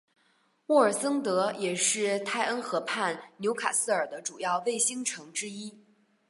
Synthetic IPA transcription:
wɔ˥˩ə˞˨˩sɤ˥ŋt̪ɤ˧˥jɛ˨˩ʂɻ̩˥˩t̪ʰa˥˩ɪʔə˥nxɤ˧˥pʰa˥˩nnjo˧˥ʊkʰa̰˨˩sɹ̩˥ə˞˨˩d̪ə˦ʈ͡ʂu˨˩jɑ˥˧ʊwe˥˩ɪɕi˥ŋʈ͡ʂʰɤ˧˥ŋʈ͡ʂɻ̩˥i˥

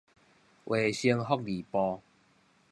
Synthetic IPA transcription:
ʔwʔe˨ɕi˧ŋɦɔ˦˧k̚li˨˩pɔ˧

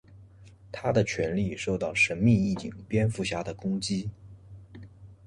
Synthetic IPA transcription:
t̪ʰa˥d̪ə˨t͡ɕʰɥɛ˧˥nli˥˧ʂo˥˧ʊt̪ɑ˥˩ʊʂə˧˥nmi˥˧i˥˩t͡ɕḭ˨˩ŋpjɛ˥nfu˥˩ɕja˥d̪ə˨kʊ˥ŋt͡ɕi˥

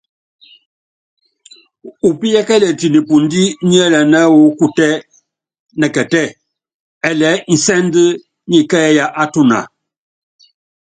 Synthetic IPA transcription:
u˨pi˦jɛ˦kɛ˦lɛ˨ti˨ni˨pu˨n˦di˦ɲi˦ɛ˦lɛ˨nɛ˦wo˨˦ku˦tɛ˦ | nɛ˨kɛ˨tɛ˦˨ | ɛ˨lɛ˨˦n̩˨sɛ˦n˦də˦ | ɲi˦kɛ˦ɛ˦ja˦ʔa˦tu˦˨na̰˨

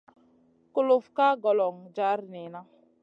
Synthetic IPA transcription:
kʊ˦lo˨fka˦ɡɔ˨lɔ˨ŋd͡ʒa˦ɾni˨na˦

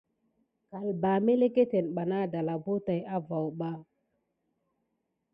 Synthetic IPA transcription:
ka˨lba˨me˦le˦ke˦te˨nɓa˨na˦da˨la˨bo˦ta˨ja˦va˨wɓa˦

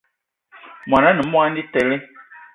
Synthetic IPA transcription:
m˨ã˨nã˦nɛ̃˨mɔ̃˦a˦ni˦t̪ɛ˨le˦

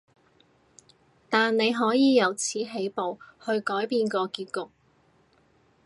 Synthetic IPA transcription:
t̪aː˨nne˨˧jɦɔː˨˥jiː˨˧jɐ˨˧wt͡sʰiː˨˥ɦe˨˥jpo˨whɵ˧ɥkɔː˨˥jpiː˧nkɔː˧kiː˧t̚kʊ˨k̚

